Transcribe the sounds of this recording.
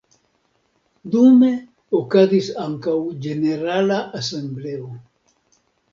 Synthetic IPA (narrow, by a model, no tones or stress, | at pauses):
d̪ume | okaðisaŋkawd͡ʒeneɾalaʔasemblew